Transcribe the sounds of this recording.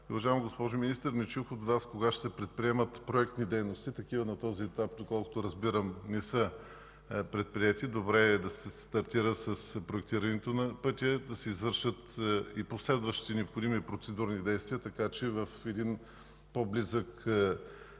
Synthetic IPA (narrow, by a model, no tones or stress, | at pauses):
ʊvɐʒaɛmiɡospɔʒʊminist̪əɾnɛt͡ʃuxot̪vaskoɡaʃsɛpɾɛt̪̚pɾiɛmət̪pɾoɛk̚t̪nid̪ɛjnost̪it̪ɐkivɐnɐt̪ɔziɛt̪ap̚d̪okɔlˠko̥t̪ʊɾɐzbiɾəmnɛsə | pɾɛt̪̚pɾiɛt̪id̪obɾɛɛd̪ɐsɛst̪ɐɾt̪iɾəsɐspɾoɛk̚t̪iɾɐnɛt̪onɐpɤt̪ʲəd̪ɐsɛizvɤɾʃət̪iposlɛd̪vəʃt̪i̥t̪ɛnɛopxod̪imiopɾot̪sɛd̪uɾnid̪ɛjst̪vʲiət̪ɐkat͡ʃɛvɐfɛd̪in | poblizək